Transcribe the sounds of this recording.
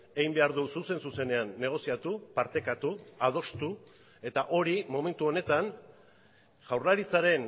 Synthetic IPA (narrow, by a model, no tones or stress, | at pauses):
e̞ɣimbe̞aɾðususe̞nsuse̞ne̞anːe̞ɣ̞o̞siat̪upaɾt̪e̞kat̪uað̞o̞st̪u | e̞t̪aʔo̞ɾimo̞me̞nt̪uo̞ne̞t̪an | ʝawrlaɾit͡saɾe̞n